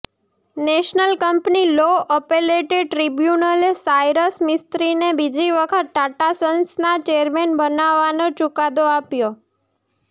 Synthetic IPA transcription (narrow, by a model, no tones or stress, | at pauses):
neʃnəlkəmpniloəpeleʈeɖ̚ʈɾibjunəlesajɾəsmɪst̪ɾinebid͡ʒiʋəkʰət̪ʈaʈasənsnat͡ʃeəɾmenbənaʋːanot͡ʃʊkad̪oapjo